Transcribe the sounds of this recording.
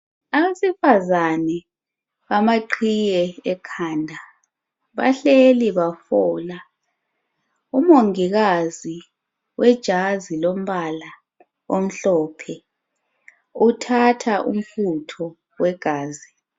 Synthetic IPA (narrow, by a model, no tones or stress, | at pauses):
aβesifazanɛ | βamaǃʰijɛːkʰaːndʱa | βa̰ɬeliβafɔːla | umoŋiɣazi | wɛd̥ʒ̥ʱazilom̩βala | om̩ɬɔpʰɛ | utʰatʰaʔṵm̩futʰɔ | wɛɡ̥ʱaːzi